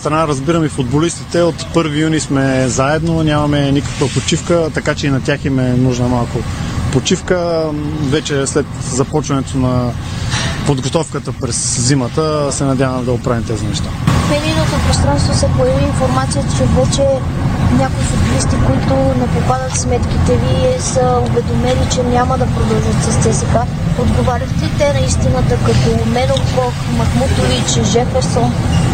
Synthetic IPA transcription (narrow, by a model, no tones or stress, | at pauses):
st̪ɾɐnaɾəzbiɾəmifʊd̪̚bolist̪it̪ɛot̪pɤɾvijunismɛzaɛd̪nonʲamɐmɛnikəkvəpot͡ʃifkət̪ɐkat͡ʃɛinɐt̪ʲjaximɛnuʒnəmalˠkʊpot͡ʃifkəvɛt͡ʃɛslɛt̪zɐpɔt͡ʃvɐnɛt̪onɐ | pod̪ɡot̪ɔfkət̪əpɾɛszimət̪əsɛnɐd̪ʲavɐmɛd̪ɐopɾavimt̪ɛzinɛʃt̪amɛd̪ijnot̪opɾost̪ɾanst̪vosɛpojɐviːnfoɾmat̪sijət̪ət͡ʃɛvɛt͡ʃɛ | nʲakoisʊt̪ʲɐlist̪ikoit̪ʊnɛpopad̪ət̪smɛt̪kʲit̪ɛviɛsəovɛd̪omɛlit͡ʃɛnʲamɐd̪ɐpɾod̪ɔlˠʒət̪sɛst̪ɛzika | od̪ɡovaɾʲəxt̪ɛit̪ɛnɐist̪inət̪əkɐt̪omɛlolkɔk | mɐkmut̪ovit͡ʃʒɛfɛɾson